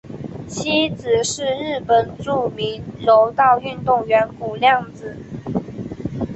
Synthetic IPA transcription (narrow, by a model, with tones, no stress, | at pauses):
t͡ɕʰi˥t͡sɹ̩˨˩ʂɻ̩˥˧ɻɻ̩˥˩pə˨˩nʈ͡ʂu˥˩mi˧˦nɻo˧˦˥ʊt̪ɑ˥˧ʊy˥˧nt̪ʊ˥˩ŋɥɛ˧˥nku˨˩ljɑ˥˩ŋt͡sɹ̩˨˩